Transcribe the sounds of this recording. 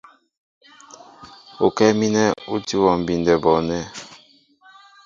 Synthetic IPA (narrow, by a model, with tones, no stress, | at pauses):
o˨kɛ˦mi˦nɛ˦u˦ti˦wɔ˨m̩˨bi˨ndɛ˨bɔ˨nɛ˦